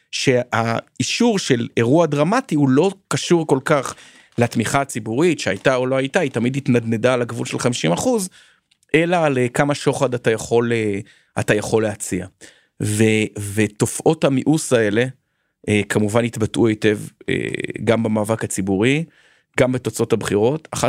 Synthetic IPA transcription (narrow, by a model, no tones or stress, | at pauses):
ʃe̞aiʃuʁʃe̞le̞ʁuadʁamatihulo̞kaʃuʁko̞lkaχ | leatmiχaːt͡sibuʁitʃeajtaolo̞ajtaitamiditnadne̞dalakvulʃelχamiʃimaχuz | ʔe̞lalekamaʃo̞χadatajaχo̞le | a̰tajaχo̞lːeat͡sia | veveto̞fʔo̞thamiʔusae̞le̞ | ekʰamuvanit̪batʔuete̞vḛɡambamaːvakat͡sibuʁi | ɡambe̞t̪o̞t͡so̞thabχiʁo̞taχa